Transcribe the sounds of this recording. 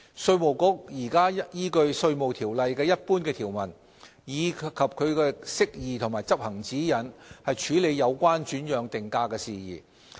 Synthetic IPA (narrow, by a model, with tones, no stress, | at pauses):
sɵ˧ɥmo˨˩wkʊ˨˥k̚jiː˨˩kaː˥jiː˥kɵ˧ɥsɵ˧ɥmo˨˩wt̪ʰiː˨˩wlɐ˨jkɛː˧jɐ˥t̚puː˥nkɛː˧t̪ʰiː˨˩wmɐ˨˩n | jiː˨˧kʰɐ˨p̚kʰɵ˨˧ɥkɛː˧sɪ˥k̚jiː˨˩t̪ʰʊ˨˩ŋmaː˨˩jt͡sɐ˥p̚hɐ˨˩ŋt͡siː˨˥jɐ˨˩nhɐ˨jt͡ʃʰyː˨˧˥le˨˧jːɐ˨˧wkʷaː˥nt͡ʃyː˨˥njœː˨˧ŋt̪ɪ˨ŋkaː˧kɛː˧siː˨jḭː˨˩